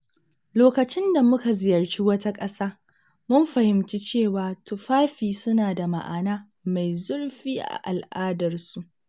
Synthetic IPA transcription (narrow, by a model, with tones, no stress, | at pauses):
loː˨kɐ˨t͡ʃɪ˦nda˨mʊ˦ka˨zɪ˨jɐ˨rt͡ʃi˦wɐ˦ta˦kʼɐ˦saː˦ | mʊ˦mɸɐ˨hɪ˨mt͡ʃi˦t͡ʃeː˦˨waː˨tʊ˨ɸaː˦ɸiː˨sʊ˦naː˨da˨ma̰˨ʔa̰ː˨naː˦ | ma˨jzʊ˦ɽɸiː˦ʔa̰˨ʔa˨lʔaː˦dɐ˨rsu˦ʔ